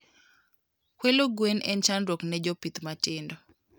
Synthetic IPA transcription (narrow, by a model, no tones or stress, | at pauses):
kwɛloɡwenɛnt͡ʃanɾoknɛd͡ʒopit̪matɪndɔ